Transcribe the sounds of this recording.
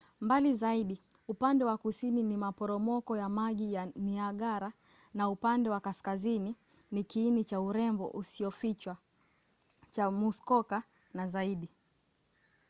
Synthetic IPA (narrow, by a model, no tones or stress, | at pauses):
mbalizaiɗiupandɛwakusininimapɔɾɔmɔkɔjamaʄijaniaɠaɾa | naupandɛwakaskazini | nikiːnit͡ʃauɾɛmbɔ̰ʔusiɔfit͡ʃwa | t͡ʃamuskɔka | nazaiɗi